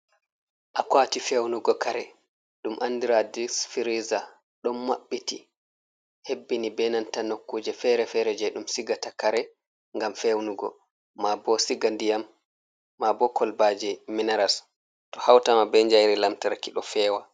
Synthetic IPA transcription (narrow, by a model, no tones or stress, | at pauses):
ʔakwatifewnuɡɔkʰaɾɛ | ɗumʔandiɾadisfiɾiza | ɗɔmmaɓːiti | hebːinibɛnantanokːuːd͡ʒɛfɛɾɛfɛɾɛd͡ʒɛɗumsiɡatakaɾɛ | ŋɡamfewnuɡɔ̰ | mabɔsiɡandijamː | abɔkɔlbad͡ʒɛminaɾas | tɔhawtamabɛɲd͡ʒajɾilamtaɾkiɗɔfɛːwa